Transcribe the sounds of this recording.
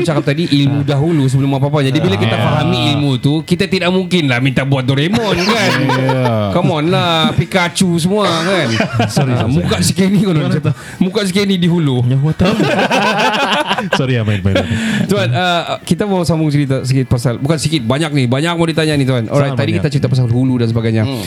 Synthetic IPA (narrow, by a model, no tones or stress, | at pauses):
t͡ʃakap̚t̪adiʔilmudaɦulus̬əbəlʊmapapad͡ʒad͡ʒibilakit̪afaɦamiːlmut̪ukit̪at̪idaʔmuŋkɪnlahmint̪abuat̪̚doɾemɔnkan | komɔnlahpikat͡ʃus̬əmuakanɾimukasi̥kenikont̪ | mukaʔs̬ikenidiɦulu | səɾiamamajt̪uanəkit̪abasambʊŋs̬iɾit̪as̬ikɪt̪̚pasalbukansikɪt̪̚baɲak̚nibaɲak̚madit̪aɲanit̪uɦanʔɔ̰ɾajt̪ːadikit̪at͡ʃɾit̪apas̬alhuludansəbaɡajɲa